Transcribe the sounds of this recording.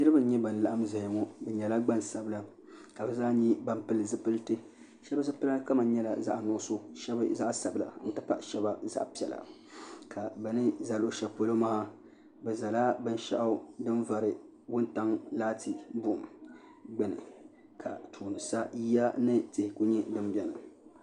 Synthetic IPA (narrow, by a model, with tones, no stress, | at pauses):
nɨ˦ɾɨ˦ba˦n̩˦ɲɛ˦ba˨n˨la˨ʔa˦mza˨hŋo˦bɛ˨ɲɛ˨la˦ɡ͡ba˦nsa˨bɨ˦la˨ | ka˨bɛ˨zaː˦ɲi˦ba˦mpɨ˦lɨ˨zɨ˦pɨ˦ltɨ˦ | ʃɛ˦ba˦zɨ˦pɨ˦la˦ka˦ma˨n˦ɲɛ˦la̰˨za̰˦˨ʔnʊ˨ʊ˦so˦ʃɛ˦bza˦ʔsa˨bla̰˨n̩˦tɨ˦pa˦ʔʃɛ˦ba˦za̰˦ʔpi˦ɛ˨la̰˨ | kʰa˨bɛ˨nɨ˦za˨lo˨ʃɛ˨po˨lo˦ma˦ha˦ | bɛ˨za˨la˦bɨ˦n˦ʃa̰˦ʔa˦dɨ˦nva˨ɾɨ˨ | wʊ˦nta˦ŋlaː˦tʰi˨bʊ˦˨ʔʊ˨m | ɡ͡bɛ˨nɨ̰˨ | kʰa˨tʰuː˨nɨ˨sa˦ji˦a˦nɨ˦tɪ˨hɪ˨ku˦ɲɛ˦dɨ˦m˦bɛ˦˨na˨